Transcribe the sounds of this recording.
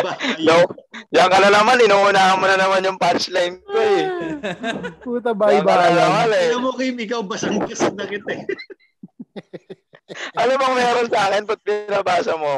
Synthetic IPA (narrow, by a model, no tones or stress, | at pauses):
b̪owjɐŋkɐnɐnɐmanɪnʊŋuːnaːɐnmːonɐnɐmanjʊŋpaɾt͡ʃlajmk̪oɛ | puːt̪̬ɐbaɪbaːɐwalɛɐmokɐjmɪkɐwbɐsɐkɪd̪kɐsɐd̪ɐkɪt̪ɛ | ʔɐlomɐŋmɛːɾonsɐʔaːkɪnpɐt̪̚bɪnabaːsɐmo